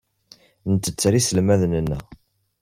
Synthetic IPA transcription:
nət̪ːət͡sːɾisəlmæðnənːæ̰

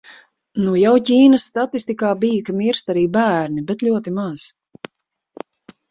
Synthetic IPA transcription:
nujawcʲiːnəsːt̪at̪ist̪ikaːbijkamiɾst̪aɾiːbæːɾnibɛt̪ʎʲuɔt̪imaz̥

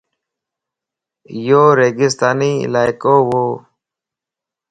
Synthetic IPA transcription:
joːɾeːɡɪst̪aːniːɪ̰laːjkoːwoː

